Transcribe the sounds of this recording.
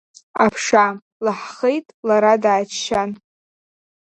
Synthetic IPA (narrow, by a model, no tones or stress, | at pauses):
apʰʂa | laħχejtʼlaɾadaːt͡ʃʃan